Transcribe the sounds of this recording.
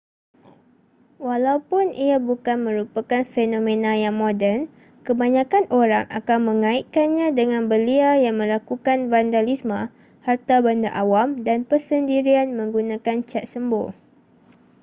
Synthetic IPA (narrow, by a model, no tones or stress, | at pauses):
walawpʊnʔiabukanmə̃ɾupakanfenõmẽnãjaŋmodɛrn | kəbaɲãkanʔoɾaŋʔa̰kanmə̃ŋãiʔkanɲãdəŋãnbəliajaŋmə̃lakukanvandalismã | hart̪abandaʔawamdanpərsəndiɾianmə̃ŋɡunãkant͡ʃat̪̚səmbo̰